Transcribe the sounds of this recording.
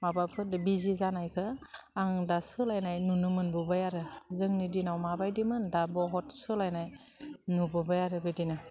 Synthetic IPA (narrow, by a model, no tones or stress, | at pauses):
mabapʰɯdbizizanajkʰɯaŋdasɯlajnajnunɯmɯnbɯbajaɾɯzɯŋnidinawmabajdimɯndabɔɦɔtsɯlajnajnubɯbajaɾɯbedina